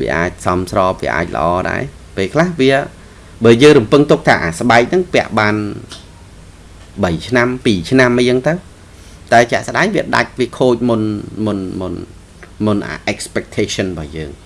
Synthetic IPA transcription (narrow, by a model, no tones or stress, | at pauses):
ʋiəʔa̰ːc̚sɑmsrɑːp̚ʋiəʔa̰ːc̚lə̆ʔɑːɗa̰ɛ | peːlkʰlahʋiə | ɓəːljəːŋrumpɨŋt̪uk̚t̪ʰaːʔaːsɓaɛk̚nɨŋpɛ̆əʔɓaːn | ɓəjt͡ɕʰnampiːt͡ɕʰnamʔət͡ɕəŋt̪əw | t̪aɛt͡ɕɛ̆əʔsɗaɛŋʋiəɗa̰c̚ʋiəkʰoːc̚munmʊnmʊn | mʊnʔa̰ːʔɛkspɛk̚t̪ʰeːsonɓɑːjəːŋ